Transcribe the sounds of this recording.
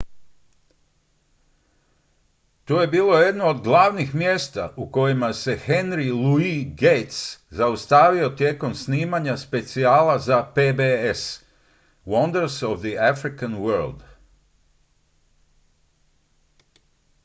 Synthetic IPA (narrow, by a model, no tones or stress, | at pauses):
t̪uːje̞biːlˠo̞je̞d̪noːd̪ɡlˠaːʋnixmjeːst̪aʔuko̞jimase̞xe̞nɾiluiɡejt̪szaust̪aːʋio̞t̪je̞ko̞msniːmaɲaspe̞t̪siaːlazapebees | wɔnd̪əɾsoʋd̪iafɾikanwəɾlˠd̪